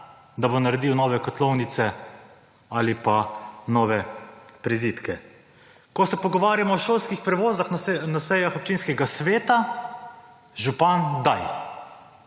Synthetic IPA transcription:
d̪abonaɾɛd̪iːwnɔːʋɛkɔt̪lɔwnit̪sɛ | alipanɔːʋɛpɾiziːt̪kɛ | kɔsɛpɔɡɔʋaːɾjamɔːʃoːlskixpɾɛʋoːzaxnnasɛjaxɔp̚t͡ʃiːnskɛɡasʋeːt̪a | ʒupand̪aj

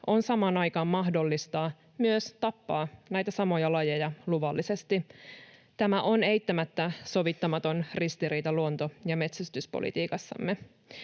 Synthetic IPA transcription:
ʔo̞nsɑmɑːnɑjkɑːmːɑɦdo̞lːist̪ɑː | myøst̪ɑpːɑːnæjt̪æsɑmo̞jɑlɑje̞jɑluʋɑlːisest̪i | t̪æmæʔo̞ne̞jt̪ːæmæt̪ːæso̞ʋit̪ːɑmɑt̪o̞nrist̪iɾiːt̪ɑluo̞nt̪ojɑme̞t̪sæst̪yspo̰lḭt̪iːkɑsːɑ̰mːe

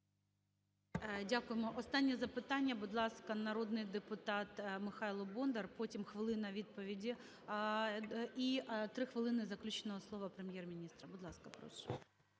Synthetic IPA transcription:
dʲakʊjemɔʔɔst̪ɑnʲːizɐpɪt̪ɑnʲːɐbʊd̪lˠɑskɐnɐɾod̪nɪjd̪epʊt̪ɑt̪mɪxɑjlˠɔbɔnd̪ɐrpotʲimxʋɪlˠɪnɐʋʲid̪̚pɔʋʲidʲi | it̪ɾɪxʋɨlˠɪnɪzɐklʲut͡ʃenɔɦɔslˠɔʋɐpɾemʲjɛrmʲinʲist̪ɾɐbʊd̪lˠɑskɐpɾɔ̰ʃɛ̥

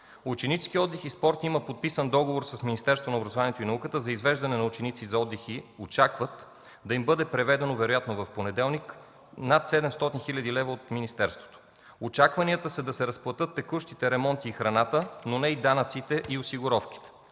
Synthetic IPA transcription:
ʊt͡ʃɛnit͡ʃskiɔd̪ːɛxispɔɾt̪iməpot̪̚pisənd̪ɔɡovoɾsɐsminist̪ɛɾst̪vonobɾɐzovaniɛt̪oʊinɐukət̪əzɐizvɛʒd̪ɐnɛnɐut͡ʃɛnit̪sizɐɔd̪ːɛxiot͡ʃakvət̪ | d̪ɐimbɤd̪ɛpɾɛvɛd̪ɛnovɛɾojat̪novɐfponɛd̪ɛlˠnik | nat̪sɛd̪ɛmst̪ɔt̪inxilʲɐd̪ilɛvɐot̪minist̪ɛɾst̪vo̥t̪o̥ | ot͡ʃakvɐniət̪əsɛd̪ɐsɛɾɐsplˠɐt̪ɤt̪ːɛkuʃt̪it̪ɛɾɛmɔnt̪iːxɾɐnat̪ənonɛid̪anət̪sit̪ɛʔiosiɡʊɾɔfk̟i̥t̪ɛ̥

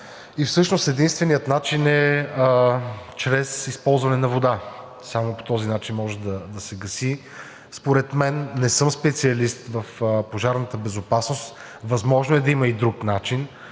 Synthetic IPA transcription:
ifsɤʃnost̪ɛd̪inst̪vɛnijət̪nat͡ʃinɛ | t͡ʃɾɛsispɔlˠzvɐnɛnɐvod̪a | samopo̥t̪ɔzinat͡ʃinmɔʒɛd̪ɐd̪ɐsɛɡɐsi | spoɾɛt̪mɛnːɛsɤmspɛt̪siɐlist̪vəfpoʒaɾnət̪əbɛzopasnost̪ | vɐzmɔʒnoɛd̪ɐiməid̪ɾuknat͡ʃin

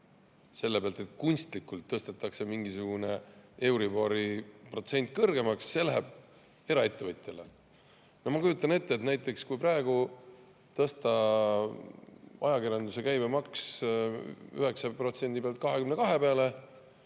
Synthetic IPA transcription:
se̞lːe̞peɑlt̪et̪̚kunʲst̪likːˑult̪ːɤst̪et̪ːˑɑkse̞miŋɡisuɡ̥une̞e̞wɾiboɾipro̞t̪se̞nʲt̪̚ˑkɤrɡe̞mɑksːe̞læɦeb̥̚ | e̞ɾɑe̞t̪ːe̞vɤt̪ʲjele | nohmɑkujut̪ːˑɑne̞t̪ːeːt̪næjt̪ˑːe̞kskujprɑeɡ̥u | t̪ɤst̪ɑ | ɑ̰jɑkiɾjɑnd̪use̞kæjbemɑks | yɦe̞ksɑpro̞t̪se̞nʲd̪ipeɑlt̪̚kɑɦe̞kymne̞kɑɦe̞pe̞ɑle̞

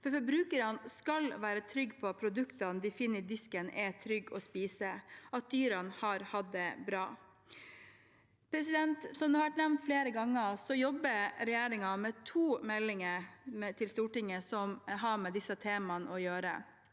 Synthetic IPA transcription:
fɔɾfɔɾbɾʉːkəɾɑnskɑlʋæːɾət̪ʰɾʏɡːpʰɔɑt̪̚pʰɾʊd̪ʉkt̪ɑnd̪ɪfɪnːəd̪ɪskənʔɛt̪ʰɾʏɡːɔspiːsəɑt̪̚d̪yːɾɑnhɑɾhɑd̪ːəbɾɑː | pʰɾɛsɪd̪ɛnt̪sɔmd̪ʉːhɑʋæʈnɛʋnt̪fleːɾəɡɑŋːəsɔjɔbəɾɛjæːɾɪŋɑmɛt̪ʰuːmɛlːɪŋəɾɛt̪ʰɪlst̪uːʈɪŋːəsɔmɦɑmɛd̪ɪsət̪ʰeːmɑnʔɔjøːɾə̰

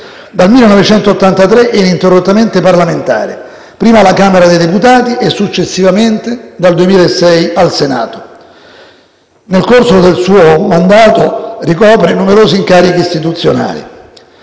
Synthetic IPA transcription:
d̪almilːenːɔvet͡ʃɛnt̪oːt̪ːant̪at̪ɾeʔɛnint̪erːot̪ːament̪eparlament̪a̰ːɾe | pɾiːmalakaːmeɾad̪ejd̪eput̪aːt̪iʔɛsːut͡ʃːesːivament̪ed̪ald̪uemiːlaesːɛjalsena̰ːt̪o̥ | nelkorsod̪elsuːomand̪aːt̪orikɔːpɾenumeɾoːziŋkaːɾikiːst̪it̪̬ut̪sːjona̰ːlḭ

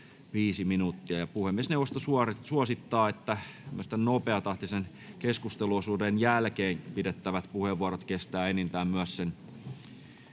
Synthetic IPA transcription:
ʋiːsiminut̪ːiæjɑpuhemːiesneuwʋost̪ɑsuɑrsuɑsit̪ːɑːet̪ːæmyøst̪ænnopeɑt̪ɑht̪isen | keskust̪eluosuːdenjælkeːŋpidet̪ːæʋæt̪puheʋːuɑɾot̪kest̪æːenent̪æːmmyæssen

